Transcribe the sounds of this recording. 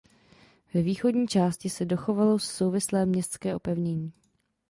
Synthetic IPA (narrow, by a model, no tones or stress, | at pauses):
vɛviːxo̞dɲiːt͡ʃaːscɪsɛdo̞xo̞valo̞sːowvɪslɛːmɲɛst̪t͡skɛːʔo̞pɛvɲɛɲiː